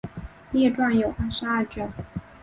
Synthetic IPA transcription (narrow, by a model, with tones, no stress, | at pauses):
ljɛ˥˧ʈ͡ʂwa˥˩njo˨˩ʊxa˥ʂɻ̩˥a˥˩t͡ɕɥɛ˥˩n